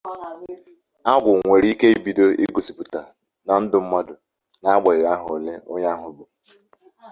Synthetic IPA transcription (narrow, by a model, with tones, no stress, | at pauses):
a˦ɡʷʊ˨ŋʷe˨ɾi˦ke˦i˦bi˨do˦ḭ˦ɡo˨si˨pʊ˨ta˨ | na˨n̩˦dʊ˦m̩˦mɔ˦dʊ˨ | na˦ɡ͡ba˨ɪ˨ɣa˦ɦʊ˨le˦o˦ɲa˦a˦ɦʊ˨bo˨